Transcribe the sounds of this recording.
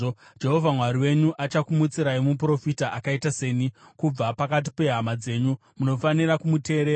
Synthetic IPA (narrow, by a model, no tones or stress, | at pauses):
d͡ʒe̞ɦo̞vʱamwaɾiwe̞ɲuʔat͡ʃakumut͡siɾaimupro̞fitaʔakaitase̞ːnikub͡vapakat̬i̥pe̞ɦamad͡ze̞ːɲu | muno̞faniɾakumute̞ːɾeː